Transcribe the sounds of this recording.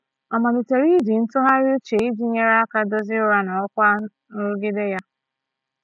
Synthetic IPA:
ɔ˨ma˨dɪ˨te˨ɾi˦di˨n̩˦tʊ˦ɦa˦ɾɪ˦ʊ˦t͡ʃe˨i˦d͡ʒi˦ɲe˦ɾa˦a˦ka˦dɔ˦zɪ˦ʊ˦ɾa˦nɔ˨ɔ˦kʷa˦ | nʊ˦ɾu˦ɡɪ˦de˦ja˦

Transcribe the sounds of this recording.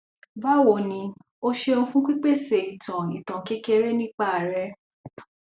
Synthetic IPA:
ba˦˨wo˨nĩ˧ | o˦ʃe˧o˧fũ˦k͡pi˦k͡pe˦˨se˨i˨tʰã˨i˨tã˨ke˦ke˧ɾe˦nĩ˦k͡pa˦a˨ɾɛ˨˦

